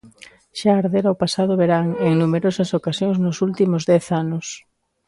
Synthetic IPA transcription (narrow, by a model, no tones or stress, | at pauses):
ʃaːɾðeɾaopasað̞ʊβeɾaŋeŋnumeɾosɐsokasjoŋznʊsult̪imʊzðɛθanʊs